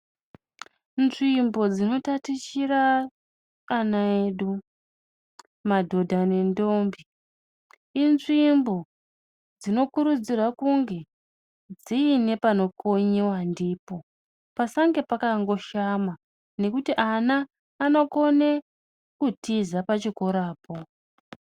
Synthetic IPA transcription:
nʐimbo̞d͡zino̞tatit͡ʃiraː | naeɗu | madʱo̞dʱane̞ndo̞ːmbi | inʐimbo̞ | d͡zino̞kuɾud͡zirwakuŋɡe̞ | d͡ziːne̞pano̞kʰoɲewandiːpo̞ | pasaŋɡe̞pakaŋɡo̞ʃama | ne̞kutiʔanaː | no̞ko̞ne | kutʰizapat͡ʃiko̞ɾaːpʰo̞

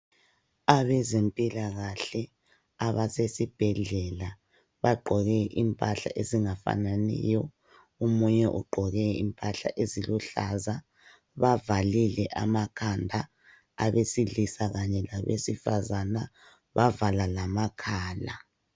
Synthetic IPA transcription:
aβɛzempʼilaɣaɬɛ | aβasesib̥ʱɛɮɛla | βaɡ͡ǃʱɔɣɛʔimpʼaɬa̰ʔeziŋafa̰nanḭjɔ | umuɲɛʔṵɡ͡ǃʱɔɣɛḭmpʼaɬa̰ʔeziluɬaza | βavalilɛʔamakʰandʱa | aβesiɮisaɣaɲɛlaβḛsifazana | βavalalamakʰaːla

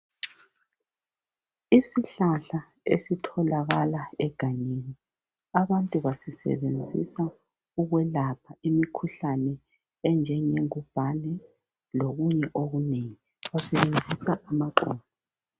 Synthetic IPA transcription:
isiɬaɬa | ḛsitʰɔlaɣalaɛɡ̥ʱaɲeni | aβantʼuβasisɛ̰βend͡zʱḭsa | uɣwɛlapʰaimikʰuɬanɛ | ɛnd͡ʒʱɛɲeŋub̥ʱanɛ | loɣuɲɛʔoɣuneŋi | βasɛβend͡zʱisaʔamaǃɔ̰ːnɔ

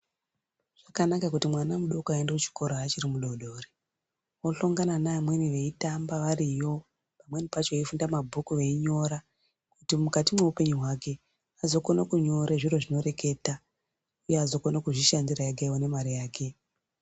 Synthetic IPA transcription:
ʐ̥akanakakutimwanamuɗo̞kuaendekut͡ʃi̥ko̞ɾaːt͡ʃirimuɗo̞ɗo̞ːre | woɬoŋɡananamwe̞niʋe̞itambaʋarijo̞ | pamwe̞nipat͡ʃo̞ifundamabʱukuʋe̞iɲo̞ɾa | kutimukatimwe̞upe̞ɲuɦwake̞ | azo̞konokuɲo̞ɾeʐiro̞ʐino̞re̞ke̞ta | ujeazo̞konakuʐiʃandirajaɡaiwo̞ne̞maɾijaːke̞

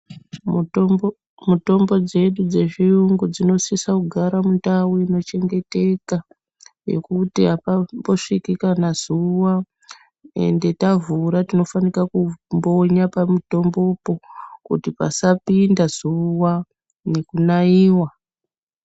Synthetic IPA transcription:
muto̞mbo̞d͡ze̞ɗud͡ze̞ʐiuŋɡud͡zino̞sisakuɡʱaɾamuntawuino̞t͡ʃe̞ŋɡe̞te̞ka | je̞̰kutiapambo̞ʂikikanaz̥uwa | e̞̰nde̞tavuɾatino̞fanikakumbo̞ɲapamito̞mbo̞po̞kutipa̰sapindaz̥uwa | ne̞kunaiːwa

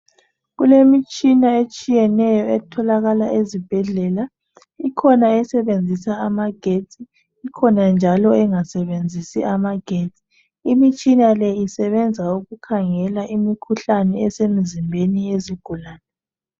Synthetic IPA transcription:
ɣulemit͡ʃʼinaet͡ʃʼijɛnɛjɔɛtʰɔlaɣalaʔezib̥ʱɛɮɛla | ikʰɔnaɛsɛβend͡zʱisaːmaɡ̥ʱetʰʼiː | kʰɔnand͡ʒʱalɔɛŋasɛβend͡zʱisiʔamaɡ̥ʱeːtʰʼi̥ | imit͡ʃʼinalɛisɛβɛnd͡zʱauɣukʰaŋɛlaʔimikʰuɬanɛɛsemizimbʱenieziɡ̥ʱulaːnɛ

